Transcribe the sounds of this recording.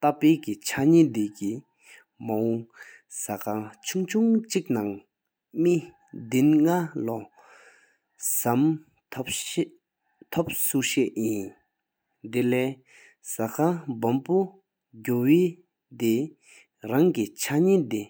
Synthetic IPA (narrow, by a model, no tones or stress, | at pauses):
t̪apeːkit͡ɕʰaɲid̪eci | maɦɔŋ | sakʰat͡ɕʰuŋt͡ɕʰuŋt͡ɕik̚naŋ | mi | d̪inŋalɔ | samʰ | p | t̪ʰop̚suɕɛʔjin | d̪elɛː | sakʰabampu | ɟoweː | d̪e | ɹaŋkit͡ɕʰaɲid̪e